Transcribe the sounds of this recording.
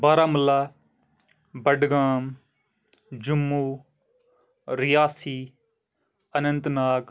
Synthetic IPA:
baːɾaːməlaː | bəɖɡaːm | d͡ʒʊmːuː | ɾɪjaːsiː | ənə̃nt̪naːk

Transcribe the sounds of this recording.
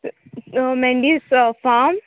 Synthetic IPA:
mẽɳɖisfaːm

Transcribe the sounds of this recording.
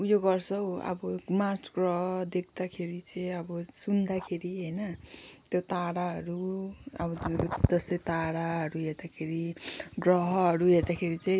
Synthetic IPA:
ujoɡʌrsʰʌwʌ̰bʌmasɡrʌɦʌd̪ekʰd̪akʰeɾit͡sʌjʌbʌsund̪akʰeɾiɦʌjnʌt̪jot̪aɽaɦʌɾuʌ̰bʌd̪ʌsʌjt̪aɽaɦʌɾuɦeɾd̪akʰeɾiɡrʌɦʌɦʌɾuɦeɾd̪akʰeɾit͡sʌ̃

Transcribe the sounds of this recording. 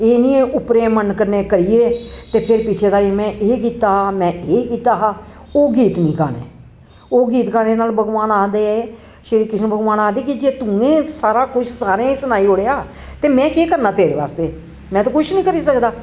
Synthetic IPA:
eːnĩːʔʊpɾeːmənkəɾneːkəɾiːeːt̪eːpʰɪɾpɪt͡ʃʰeːd̪aːimɛ̃ːʔeːkiːt̪aːɦaːmɛ̃ːʔeːkiːt̪aːɦaː | oːɡiːt̪nĩːka̰ːnḛː | oːɡiːt̪kaːneːnaːlbʱəɡʋaːnaːd̪eːɛː | ʃɪɾiːkɪʃnbʱəɡʋaːnaːd̪eːkɪd͡ʒeːt̪ʊẽːsaːɾaːkʊt͡ʃʰsaːɾẽːsənaːiːɦoːɽeːaː | t̪eːmɛ̃ːkeːkəɾnãːt̪eːɾeːʋa̰ːst̪eː | mɛ̃ːt̪õːkʊt͡ʃʰnĩːkəɾiːsəkd̪aː

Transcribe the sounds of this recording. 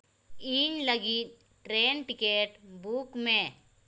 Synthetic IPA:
iːɲləɡit̪̚ | ʈɾeːnʈɪkeːʈbukmẽ

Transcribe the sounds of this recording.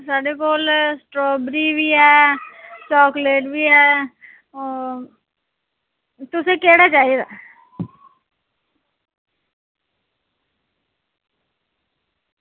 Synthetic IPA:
saːɖekoːlsʈɾoːbɾibʱiɦɛː | t͡ʃɔːkleːʈbʱiɦɛː | t̪ʊsekeːɽat͡ʃaːɦied̪aː

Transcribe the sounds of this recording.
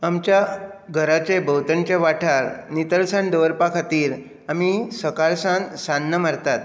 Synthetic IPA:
amt͡ɕjaɡʱəɾat͡ɕebəwt̪ənt͡ɕeʋaʈʰaɾnit̪əlsand̪əʋəɾpakʰat̪iːɾ | amisəkaɾsansanːəmaɾt̪at̪

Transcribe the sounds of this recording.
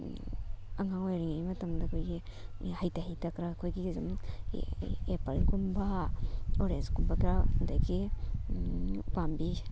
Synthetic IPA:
aŋaŋojɾiŋajmɐtɐmdakʰojɡihajtahajtakɾaːkʰojɡizum̰ | epaɾkumba | oɾenskumbakɾanda̰jɡi | pambi

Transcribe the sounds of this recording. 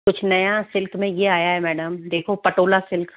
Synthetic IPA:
kʊt͡ʃʰnɐjasɪlkmẽjeaːjaɦɛmɛːɖəmd̪eːkʰopɐʈoːlasɪlk

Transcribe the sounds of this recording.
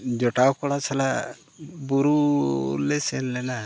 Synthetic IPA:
d͡ʒɔʈawkɔɽat͡ʃʰala | buɾulɛsɛnlɛna

